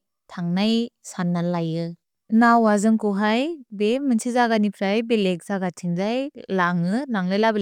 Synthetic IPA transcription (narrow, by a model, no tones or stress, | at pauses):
tʰaŋnajsanːalajɯ | nawazɯŋkɔɦajbemɯnsʰizaɡanipʰɾajbelek̚zaɡatʰiŋzajlaŋɯnaŋlɯjlab